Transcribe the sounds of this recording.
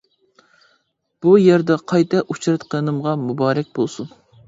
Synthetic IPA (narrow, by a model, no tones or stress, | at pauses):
b̥ujɛɾd̪ɛqʰɑjt̪ʰɛʔut͡ʃʰɾɨt̪qʰənɨmʁɑmubɑːɾɛk̚ʲbolˠsun